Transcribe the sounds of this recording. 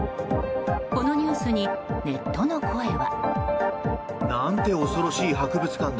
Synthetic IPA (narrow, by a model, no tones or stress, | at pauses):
ko̞no̞ɲ̟ʲɨːsɨɲ̟ine̞t̪ːo̞no̞kʰoeβa̰ | nant̪e̞o̞so̞ɾo̞ɕiːɦakɯ̟bɯ̟t͡sɨ̥kãnd̪